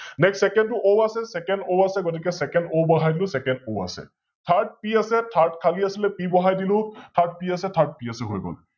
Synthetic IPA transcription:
nɛksːɛkɛntʊʔowasɛsɛkɛndowasɛɡɔt̬ikɛsɛkɛndowbɔɦajdilʊ̃sɛkɛndowa̰sɛ̰ | tʰaɹd̚piasɛtʰaɹtkʰaliasilɛpibɔɦajdilʊ̃tʰaɹd̚piasɛtʰaɹd̚piasɛɦojɡɔ̰l

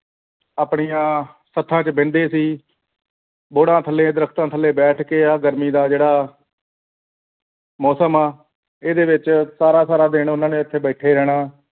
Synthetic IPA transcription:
aːpɳijãː | sət̪ʰːãːt͡ʃbɪ̃nd̪eːsiː | boːɽãːt̪ʰəlːẽːd̪əɾəkʰt̪ãːt̪ʰəlːeːbɛːʈʰkeːaːɡəɾmiːd̪aːd͡ʒeːɽaː | mɔːsəmaː | eːd̪eːʋɪt͡ʃsaːɾaːsaːɾaːd̪eːɳʊnãːnẽːɪt̪ʰːeːbɛːʈʰeːɾɛːɽ̃aː

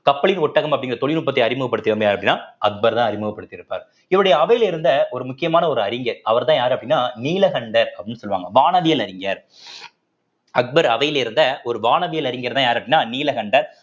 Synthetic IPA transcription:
kɐpːɐɭɪnɔʈːɐɣɐmɐpːɐɽɪŋɡɪɾɐt̪ɔɭɪnʊpːɐt̪ːɐɪɐɾɪmɯɣɐpːɐɽɯt̪ːɪʋɐmbɐjaːɾɐpːɐɽɪnːaːɐk̚bɐɾt̪ãːɐɾɪmɯɣɐpːɐɽɯt̪ːɪɾɯpːa̰ːɾ | ɪʋɐɽɐjɐːʋɐjɪlɪɾɯnd̪ɐɔɾɯmʊkːɪjɐmaːnɐɔɾɯɐɾɪŋɡɐɾɐʋɐɾt̪ãːjaːɾɐpːɐɽɪnːaːniːlɐɣɐɳɖɐɾɐpːɐɽɪnːɯsɔlːʋa̰ːŋɡɐʋaːnɐʋɪjɐlɐɾɪŋɡɐɾ | ɐk̚bɐɾɐʋɐjɪlɪɾɯnd̪ɐɔɾɯʋaːnɐʋɪjɐlɐɾɪŋɡɐɾt̪ãːjaːɾɐpːɐɽɪnːaːniːlɐɣɐɳɖɐɾ

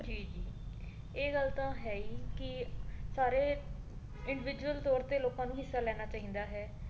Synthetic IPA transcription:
d͡ʒiːd͡ʒiː | eːɡəlt̪ãːɦɛːiːkɪsaːɾeː | ɪɳɖɪʋɪd͡ʒuwəlt̪ɔːɾt̪eːloːkãːnũːɦɪsːaːlɛːnaːt͡ʃaːĩːnd̪aːɦɛː

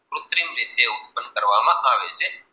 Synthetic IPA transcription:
kɾut̪ɾimʋet̪ːeːut̪̚pɐnkɐɾʋaːmɐʔaːʋeːse

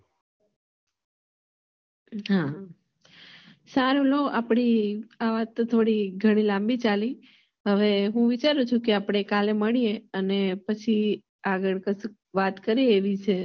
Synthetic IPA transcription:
ɦa | saɾuloʔapɽ̃iaʋat̪ːot̪ʰoɽiɡʱəɽ̃ilãmbit͡ʃali | ɦəʋeɦũʋit͡ʃaɾut͡ʃʰũkeapɽ̃ekaleməɭijeənepət͡ʃʰi | aɡəɭkəs | ʋat̪kəɾieːʋit͡ʃʰe

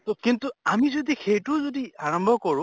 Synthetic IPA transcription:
tokintuamizodixejtʊzodiaɹɔmbʱɔkɔɹʊ̃

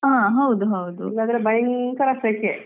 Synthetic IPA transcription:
ɦãɦɐwd̪uɦɐwd̪ulad̪ɐɾebɐjnk̪ɐɾɐsekːe

